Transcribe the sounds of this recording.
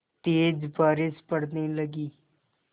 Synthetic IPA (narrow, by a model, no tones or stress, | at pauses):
t̪eːd͡ʒbaːɾɪspəɽniːləɡiː